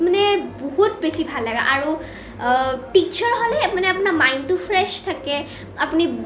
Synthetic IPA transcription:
manɛboɦutbesibʱalːaɡaʔaɹu | pik̚t͡ʃʰɔɹɦolɛmanɛapunamajntupʰɹɛʃtʰakɛ | apuni

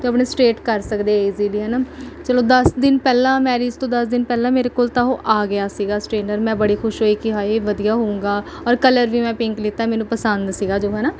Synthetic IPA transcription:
t̪eːəpɳeːsʈeːʈkəɾsəkd̪eːiːziːliːɦɛːnaːt͡ʃəloːd̪əsd̪ɪnpɛːlãːmɛːɾeːd͡ʒt̪õːd̪əsd̪ɪnpɛːlãːmeːɾeːkoːlt̪aːɦoːʔaːɡɪjaːsiːɡaːsʈɾeːɳɖəɾmɛ̃ːbəɽiːkʰʊʃɦoːiːkɪɦaːeʋəd̪ijaːɦoũːŋɡaː | ɔːɾkələɾʋiːmɛ̃ːpɪ̃ŋklɪt̪ːamɛːnũːpəsənd̪siːɡaːd͡ʒoːɦɛːnaː

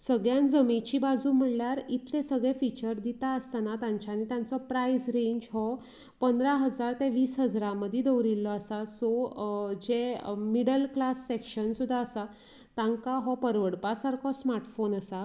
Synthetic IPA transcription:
səɡɭjãnd͡zəmit͡ɕiːbad͡zuːm̤əɽljaɾit̪ʰlẽsəɡɭẽfit͡ɕəɾd̪it̪aəst̪anat̪ãɲt͡ɕaːnit̪jãnt͡sɔpɾaisɾẽɲd͡ʑɦɔ | pənd̪ɾaɦəd͡zaɾt̪eʋiːsɦəd͡zɾãməd̪ʱjid̪əwɾilːɔəsasɔd͡ʑemiɽəlklasːekɕənsud̪ʱːaːsa | t̪ãŋkaɦɔpəɾʋəɽpasaɾkʰɔsmaɾʈfonəsa

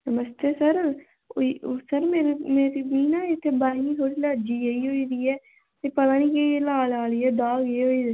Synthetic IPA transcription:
nəməst̪eːsəɾ | isəɾmeːɾemeːɾimiːnaːɪt̪ʰːebaːɪnit̪ʰoːɾiləd͡ʒieiɦoːid̪iːɛː | t̪epəlaːniːkeelaːlaːliːɛːd̪aːɡeɦoːi

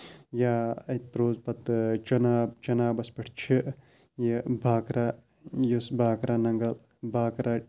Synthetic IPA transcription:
jaɐt̪̚pɾoːzpɐt̪t͡ʃɐnaːb̚t͡ʃɐnaːbɐspiʈʰt͡ʃʰiʔ | jibʱaːkɾa | jusbʱaːkɾanɐŋɡɐl | bʱaːkɾa

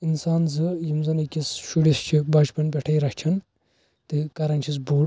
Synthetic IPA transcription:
insaːnzɨjimzɐnɐkʲisʃuɽist͡ʃʰibɐt͡ʃpɐnpʲeʈʰɐjɾɐkt͡ʃʰɐn | t̪ɨkɐɾɐnt͡ʃʰis̬buːɽ

